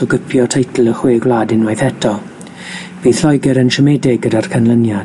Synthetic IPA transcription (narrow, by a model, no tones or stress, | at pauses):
ɔɡəpʰjɔtʰejtʰl̩ˠəχweːɡwlˠaːdɪnwajθɛtʰɔ | viːðɬɔjɡɛɾənʃəmɛdɪɡ̚ɡədarkʰanlˠənja